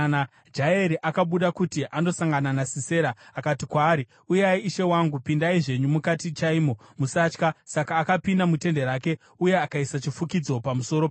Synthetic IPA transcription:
na | d͡ʒaeɾiʔakaɓuɗakutiʔano̞saŋɡananasise̞ːɾaːkatikwaːɾi | ujaiːʃe̞waŋɡupindaiʐe̞ɲumukatit͡ʃaimo̞musat͡ʃkasakaːkapindamute̞nde̞ɾaːke̞ | uje̞akaisat͡ʃifukid͡zo̞pamuso̞ɾo

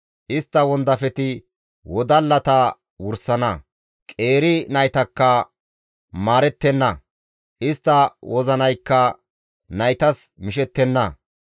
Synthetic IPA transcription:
ʔɪst̪ːɐwɔnd̪ɐfɛt̪ɪ | wɔd̪ɐlːɐt̪ɐ | wʊɾsɐnɐ | kʼeːɾɪnɐjt̪ɐkːɐ | maːɾɛt̪ːɛnːɐ | ʔɪst̪ːɐwʔɔzɐnɐjkːɐ | nɐjt̪ɐsmɪʃɛt̪ːɛnːɐ

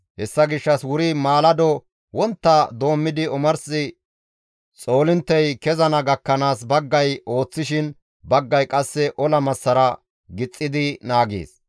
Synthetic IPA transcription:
hɛsːɐɡɪʃːɐswʊɾimaːlɐd̪ɔ | wɔnt̪ːɐd̪o̞ːmːɪd̪ɪɔmɐɾsɪ | t͡sʼo̞ːlɪnt̪ːɛjkɛzɐnɐɡɐkːɐnaːs̬bɐɡːɐjo̞ːt͡sːɪʃɪn | bɐɡːɐjkʼɐsːɛʔɔlɐmɐsːɐɾɐ | ɡɪt͡sʼːɪd̪ɪnaːɡḛːs

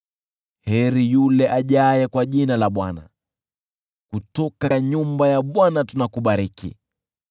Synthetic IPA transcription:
hɛɾijulɛʔaʄajɛkwaʄinalaɓwana̰ | kutɔkaɲumbajaɓwanatunakuɓaɾikḭ

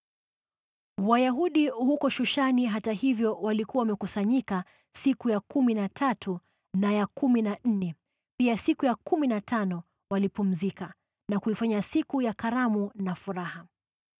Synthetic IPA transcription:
wajaɦuɗihukɔʃuʃaniɦatahivjɔwalikuawamɛkusaɲika | sikujakuminatʰatʰu | najakuminan̩nɛ | piasikujakuminatʰanɔ | walipum̩zika | nakuifaɲasikujakaɾamunafuɾaha

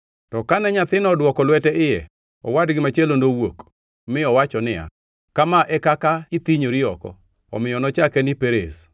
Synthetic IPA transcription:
tɔkanɛɲat̪ɪnɔdwɔkɔlwɛtɛɪjɛ̰ | ɔ̰wadɡɪmat͡ʃelonowok | mɪɔwat͡ʃɔnɪa̰ | kamaʔɛkakaɪt̪iɲoɾɪɔkɔ̰ | ɔ̰mɪjɔnɔt͡ʃakɛnɪpeɾḛz

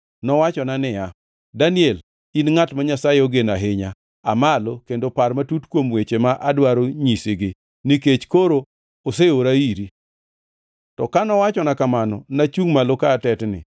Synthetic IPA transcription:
nɔwat͡ʃɔnanɪja | daniɛl | inŋatmaɲasaeoɡenaɦɪɲa | amalokendoparmatutkwomwet͡ʃemaʔadwaɾoɲiseɡɪ | niket͡ʃkoɾo | oseoɾaiɾi | tɔkanɔwat͡ʃɔnakamanɔnat͡ʃuŋmalokaːtɛtnɪ̰

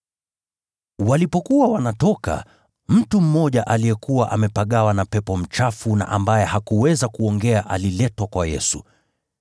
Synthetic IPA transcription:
walipɔkuwawanatɔka̰ | m̩tum̩mɔʄaʔalijɛkuwaʔamɛpaɠawanapɛpɔm̩t͡ʃafuna̰ʔambajɛhakuwɛzakuɔŋɡɛaʔalilɛtwakwajɛ̰su

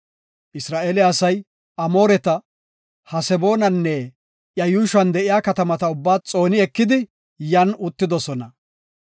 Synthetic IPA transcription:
ʔɪsɾaːʔeːlɪɐsɐj | ʔɐmo̞ːɾɛt̪ɐ | hɐsɛbo̞ːnɐnːɛ | ʔjɐjuːʃɐnd̪ɛʔɪjaːkɐt̪ɐmɐt̪ɐʊbːaːt͡sʼo̞ːnɪɛkːɪd̪ɪ | jɐnʊt̪ːɪd̪ɔsɔnɐ

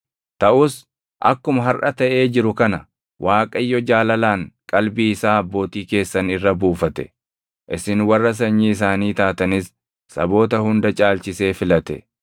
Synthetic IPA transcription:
t̪ɐʔʊs | ʔɐ̰kːʊmɐɦɐrʔɐt̪ɐʔe̞ːd͡ʒɪɾʊkɐnɐ | wʔaːkʼɐɪjːɔd͡ʒaːlɐlaːŋkʼɐlbiːɪsaːɐbːo̞ːt̪iːke̞ːsːɐnɪrːɐbuːfɐt̪ɛ | ʔɪsɪnwɐrːɐs̬ɐɲːiːɪs̬aːniːt̪aːt̪ɐnɪsː | ɐ̰bo̞ːt̪ɐhʊnd̪ɐt͡ʃʼaːlt͡ʃɪse̞ːfɪlɐt̪ɛ̰

